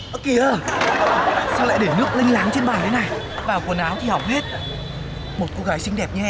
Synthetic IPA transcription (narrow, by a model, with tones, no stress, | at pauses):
ʔə˧˦ki˨˩ə˧˩ | sa˧wl̰a̰ː˧˨ɗe˧˩nɨ˦˥ək̚lï˧ŋ̟laː˨˦ŋt͡ɕe˧nɓaː˨˩t̪ʰe˨˦na˨˩j | vaː˨˩wku˨˩ənʔaː˨˦wt̪ʰi˨˩hɔ˨˩wk͡p̚he˦˥t̚ | mo˨˩t̚ko˧ɣaː˨˦jsï˧ŋ̟ɗɛ˨˩p̚ɲɨ˧ʔɛ˧